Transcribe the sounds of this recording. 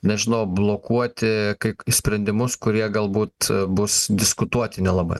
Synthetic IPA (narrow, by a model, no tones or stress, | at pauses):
nʲɛʒʲɪnɐʊblˠoːkuɔt̪ʲɪkɐɪsʲpʲɾʲɛnʲd̪ʲɪmʊskʊɾʲiɛɡɐlˠbuːt̪bʊsd̪ʲɪskʊt̪uɔt̪ʲɪnʲɛlˠɑbɐ̰